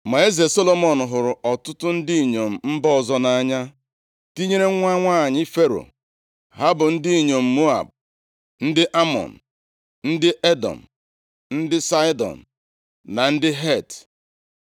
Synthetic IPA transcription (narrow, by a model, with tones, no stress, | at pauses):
ma˨e˦ze˨so˦lo˦mɔ˨n˨ɦʊ˨ɾʊ˨ʔɔ˨tʊ˦tʊ˦n̩˦di˦i˦˨ɲo˨m̩˨m̩˦bɔ˦˨zɔ˦na˦ɲa˦ | ti˦ɲe˦ɾe˦ŋʷa˦ŋʷaː˦˨ɲɪ˦fe˦ɾo̰˨ | ɦa˦bʊ˨n̩˦di˦i˨ɲo˨m̩˨mo˦a̰˨b̚ | n̩˦dɪ˦ʔa˦mɔ̰˨n̩˨ | n̩˦dɪ˦ʔe˦dɔ̰˨m̩˨ | n̩˦dɪ˦sa˦ɪ˦dɔ̰˨n̩˨ | na˨n̩˦dɪ˦ɦe˦˨t